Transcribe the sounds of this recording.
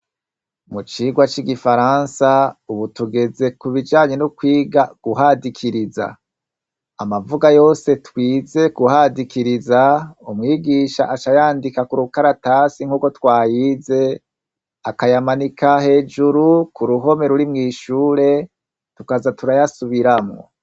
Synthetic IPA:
mut͡ʃiːɡwat͡ʃiɡifaɾansauβutuɡe̞ze̞kuβid͡ʒaːɲe̞nukwiːɡaɡ̥uɦadikʰiɾiza̰ | amavuɡajo̞ːse̞twiːze̞kuhadikiɾizaumŋiːɡiːʃa̰ʔat͡ʃajaːndikakuɾukaɾataːsiŋ̥uːko̞twaːjiːze̞ | akajamanikʰahe̞ːd͡ʒuɾukuɾuɦo̞me̞ɾuɾimŋiːʃuːɾe̞ | tukazatuɾajasuβiɾamŋo̰

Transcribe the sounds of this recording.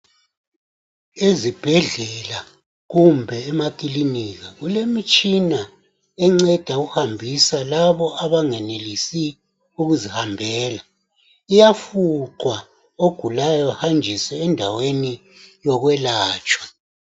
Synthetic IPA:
ezib̥ʱɛɮɛla | ɣumbʱɛːmakʼiliniɣaɣulemit͡ʃʼina | ɛŋ͡ǀɛd̥ʱauɣuhambʱisalaβɔʔaβaŋɛnelisi | uɣuzihambʱɛːla | ijafuǃwa | oɡ̥ʱulajɔhand͡ʒʱisɛːndʱaweni | jɔɣwɛlaːt͡ʃʼwḁ

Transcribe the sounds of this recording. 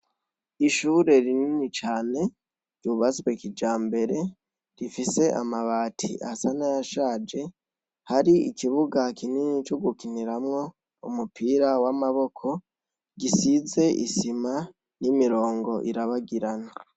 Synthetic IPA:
iʃuːɾe̞ɾininit͡ʃaːne̞ | ɾjuβat͡swekid͡ʒaːmbe̞ɾe̞ | ɾifise̞ʔa̰maβaːtʰḭʔa̰hsanajaʃaːd͡ʒe̞ | haɾiḭkiβuɡakininit͡ʃoɡukiniɾamŋo̞ | umupiːɾawamaβo̞kʰo̞ | ɡisize̞ʔḭsima | nimiɾo̞ːŋɡo̞ʔiɾaβaɡiɾana

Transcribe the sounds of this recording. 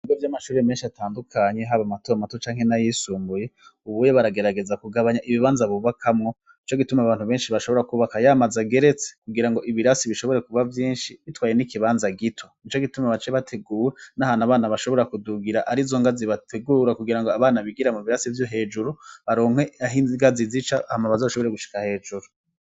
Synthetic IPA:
ijovjamaʃuːɾeme̞ːnʃiataːndukʰaɲe̞ɦaβamatoamatot͡ʃaːŋ̥he̞najisuːmbuje̞uβujoβaɾaɡe̞ɾaɡe̞zakuɡaβaɲaʔiβiβaːnzaβuβakʰamŋo̞ | nit͡ʃo̞ɡitumeaβaːn̥huβe̞ːnʃiβaʃoβo̞ɾakuβakajaːmazaɡe̞ɾe̞t͡se̥kuɡiɾaŋɡo̞ʔiβiɾasiβiʃo̞βo̞ɾe̞kuβavjiːnʃiβitwaːje̞nikiβaːnzaɡitʰo̞nit͡ʃoɡitumeβat͡ʃeβatʰe̞ɡuːwenahanaβaːnaβaʃo̞βo̞ɾakuduɡiɾaʔaɾizo̞ŋɡaziβatʰeɡuːɾakuɡiɾaŋɡoaβaːnaβiɡiɾamuβiɾasivjoɦe̞ːd͡ʒuɾuβaɾoːŋ̥we̞ɦiŋɡazizit͡ʃaahamaβazaβʃo̞βo̞ɾe̞ɡuʃi̥kahe̞ːd͡ʒuɾu

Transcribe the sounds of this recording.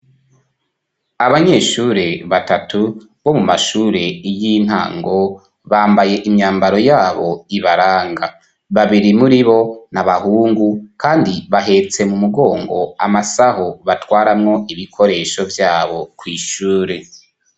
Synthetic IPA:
aβaɲe̞ːʃuːɾe̞βatatʰu | βo̞mumaʃuːɾe̞ijin̥ha̰ːŋɡo̞ | βaːmbaje̞ʔimɲaːmbaɾo̞jaːβo̞iβaɾaːŋɡa | βaβiɾimuɾiβo̞naβahuːŋɡukaːndiβaɦe̞t͡se̞mumuɡo̞ːŋɡo̞̰a̰masahoβatwaːɾamŋo̞iβikʰo̞ɾe̞ːʃo̞vjaːβo̞kwiːʃuːɾe̞

